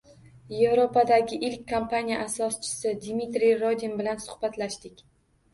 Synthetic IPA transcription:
je̞vɾopad̪aɡʲɪʔɪlkʲkʰːompʰanʲijaʔasɒst͡ʃʰɪ̥sɪd̪mit̪ɾijɾod̪inbɪlansʊ̥hbat̪laʃd̪ɪkʲ

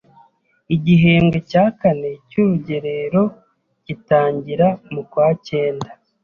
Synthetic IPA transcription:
iɟiɦeːŋɡo̞caːkane̞cuɾuɟe̞ɾe̞ɾo̞ | ɟ̥itaːɲɟiɾamukwaːce̞ːnda

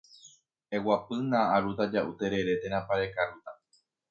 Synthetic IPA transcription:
e̞wapɨnãaɾut̪ad͡ʒaʔut̪e̞ɾe̞ɾe̞t̪e̞ɾ̃ãpaɾe̞kaɾut̪a

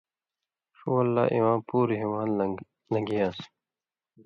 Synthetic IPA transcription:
ʂuːɐlːa̰ːʔiwãːpuːɾiɦimaːn | lɐɡiaːs

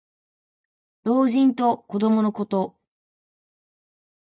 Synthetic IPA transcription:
ɾo̞ːʑĩnt̪o̞ko̞d̪o̞mo̞no̞ko̞t̪o̞

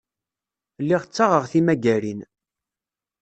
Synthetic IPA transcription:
lːiʁt͡sːaʁəʁθimæɡæɾin

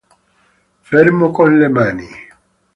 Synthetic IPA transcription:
fɛɾmokɔnlɛmani

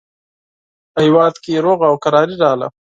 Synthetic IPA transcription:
pəhɪwɑd̪kejeɾoɣaːwkaɾɑːɾiɾɑːla̰

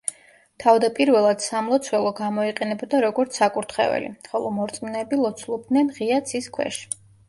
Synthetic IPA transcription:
t̪ʰavd̪apʼiɾvɛlˠad̪̥samlˠɔt̪sʰwɛlˠɔɡamɔiqʼɛnɛbɔd̪aɾɔɡɔɾt̪sʰakʼuɾt̪ʰχɛ̰vɛ̰lḭχɔlˠɔ̰mɔɾt̪sʼminɛːbilˠɔt̪sʰlˠɔb̚d̪nɛnʁiat̪sʰiskʰwɛ̰ʃ

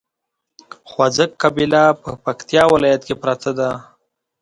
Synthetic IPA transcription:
xwazəkːabilapəpakt̪jɑwɪlɑjat̪kepɾat̪ʰad̪a

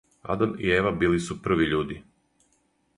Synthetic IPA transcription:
a̰d̪anḭeːʋabiːlisupr̩ʋiʎuːd̪i

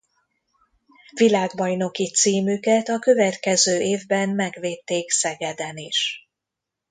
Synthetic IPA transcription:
vilaːɡbɒjno̞kit̪siːmykɛt̪ɒkø̞vɛt̪kɛzøːʔeːvbɛnmɛɡveːt̪ːeːksɛɡɛd̪ɛniʃ

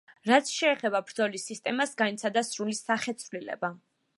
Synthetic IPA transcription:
ɾat̪sʰʃɛːχɛbabɾd̪zɔlisːist̪ʼɛmasɡanit̪sʰad̪asɾulisaχɛt̪sʰvlilɛ̰ba

